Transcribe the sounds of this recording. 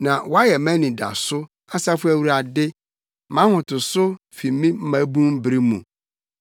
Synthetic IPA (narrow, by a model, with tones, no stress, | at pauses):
nã˨wɔ˦a˦jɛ˨mæ̃˦nĩ˨da̰˨sʊ˦ | a˦sa˦fʊ˦æ˦wu˨ɾa˨dɪ˦ | mã˦hʊ̃˨tʊ˨sʊ˦ | fi˨˦mĩ˦m̩˦mã˨˦bũ˦m˦bɾi˦mũ˨